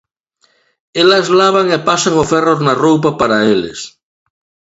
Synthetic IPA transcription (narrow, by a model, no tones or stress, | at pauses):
elazlaβaŋepasaŋoferoɾnarowp̬apaɾaelḛs